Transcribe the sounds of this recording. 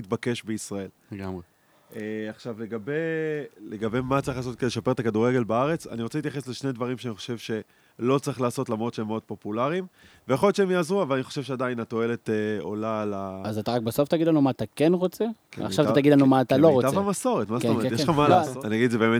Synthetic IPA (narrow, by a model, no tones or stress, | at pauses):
it̪̚bake̞ʃbeisʁae̞l | ɡame | eaχʃavle̞ɡabe̞leɡabe̞mat͡saʁiχlaːsotked̪eeʃape̞ʁt̪akaduʁeɡe̞lbaaʁe̞t͡sa̰niʁt͡seit̪jaχesle̞ʃned̪vaʁimʃeaniχo̞̥ʃe̞vʃe̞ | lo̞t͡saʁiχlaːso̞tlamʁo̞t̪ʃeemːeo̞d̪̚po̞pulaʁim | vejaχojotʃeemjaːzʁuavalaniχo̞ʃe̞vʃeadainat̪o̞e̞le̞t̪eo̞̰lalaazat̪aʁak̚beso̞ft̪aɡidlanumaːt̪akenʁot͡seka̰χʃavaataɡid̪lanumaat̪aloʁotavamaso̞ʁet̪mazeooetjeʃχamalasoaniaɡidzebeme